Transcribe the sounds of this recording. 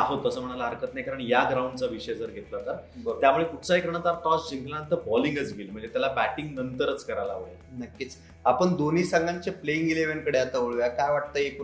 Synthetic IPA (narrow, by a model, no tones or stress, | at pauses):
aɦot̪ːəsəːm̤əɽ̃alaəɾkət̪nakəɾəɳjaɡɾauɳɖt͡saʋiɕəjd͡zəɾɡʱet̪lat̪abət̪jamuɭekuʈʰt͡saɦekəɾɳ̃at̪aɾʈɔsd͡ʑĩŋɡlat̪əɾbɔliŋɡət͡sɡilm̤əɳd͡zet̪jalabæʈiŋɡnənt̪əɾət͡skəɾalaʋoɭe | nəkːit͡s | apəɳd̪oniːsaŋɡãɲt͡ɕepleĩŋɡeleʋeɳkəɽeat̪aoɭʋjakajʋaʈ̚t̪əeku